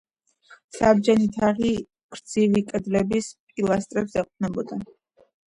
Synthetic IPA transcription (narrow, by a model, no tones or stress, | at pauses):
sabd͡ʒɛnit̪ʰaʁi | kʰʼɾd̪z̥ivikʼɛd̪lɛbispʼilˠast̪ʼɾɛpsɛqʼnɛbɔd̪a